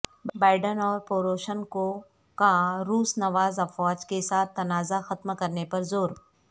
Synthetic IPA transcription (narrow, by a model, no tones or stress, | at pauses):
baːɪɖənɔːɾpoːɾoːʃənko | kaɾuːsnɐʋaːzɐfɔːd͡ʒkesaːt̪ʰːɐnaːzaxɐt̪mkɐɾnepɐɾzoːɾ